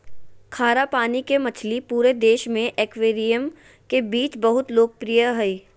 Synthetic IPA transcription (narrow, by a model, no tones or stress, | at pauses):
kʰaːɾapaːnikemɐt͡ʃʰlipuːɾed̪eːʃmẽʔeːkʋeːɾijəm | kebiːt͡ʃbɐɦʊt̪loːɡ̚pɾijəɦɛeː